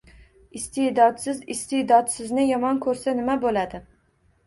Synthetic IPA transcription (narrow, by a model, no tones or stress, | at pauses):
ɪst̪ʰed̪ɒd̪sɪzɪst̪ɪd̪ɒt̪sɪznɪjɒmɒnkʰɵɾsanɪmabolad̪ɪ